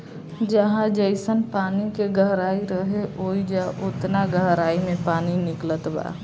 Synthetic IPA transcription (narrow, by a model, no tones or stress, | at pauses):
d͡ʒəɦãd͡ʒəɪsənpaːnikeɡəɦɾaːiɾəɦeʔoːid͡ʒaʔʊt̪naɡəɦɾaːimẽpaːninɪklət̪ba̰ː